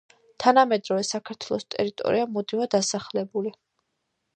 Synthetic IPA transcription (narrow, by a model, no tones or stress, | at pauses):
t̪ʰanamɛd̪ɾɔvɛsakʰaɾt̪ʰwɛlˠɔst̪ʼɛ̰ɾit̪ʼɔ̰ɾiamɔd̪imad̪asaχlɛbuli